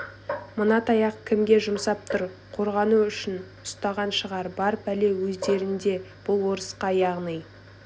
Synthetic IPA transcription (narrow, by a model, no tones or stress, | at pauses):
mʊnɑt̪ɑjɑqkʲʰɪmɡʲe̞ʒʊmsɑp̚t̪ʰʊɾ | qʰo̞ɾʁɑnuʏʃɪn | ʊst̪ɑʁɑnʃəʁɑɾbɑɾpʰæle̞wɵzd̪e̞ɾɪnd̪e̞b̥ʊlˠwo̞ɾəsqɑjɑʁnɨj